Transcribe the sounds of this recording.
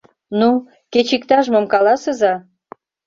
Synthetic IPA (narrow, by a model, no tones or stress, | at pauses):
nu | ket͡ɕik̚t̪ɑʒmŏmkɑlɑsəzɑ